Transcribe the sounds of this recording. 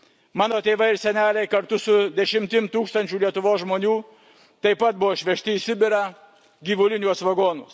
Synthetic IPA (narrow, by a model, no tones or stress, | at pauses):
mɑːnoːt̪ʲeːʋɐɪɾsʲɛnʲæːlʲɛɪkɐɾt̪ʊsʊd̪ʲɛʃʲɪmʲt̪ʲɪmt̪uːkst̪ɐnʲt͡ʃʲuːlʲiɛt̪ʊʋoːsʒmoːnʲuː | t̪ɐɪpɐt̪̚bʊʋoːʃʲʋʲɛʃʲt̪ʲɪiːsʲɪbʲɪɾɑ | ɡʲiːʋʊlʲɪnʲuɔsʋɐɡoːnʊs